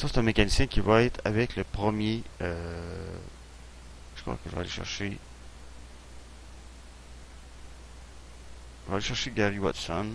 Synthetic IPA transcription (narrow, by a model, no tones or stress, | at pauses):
sɔ̃se̥t̪ɛ̃mekanisjɛ̃kʲivaɛt̪χavɛkləpχəmjeø | ʒ̥ə̥kχwa̰kɛlva̰ːleʃɛ̰ʁʃe | ivaːleʃɛʁʃeɡʲaʁiwat̪sɔn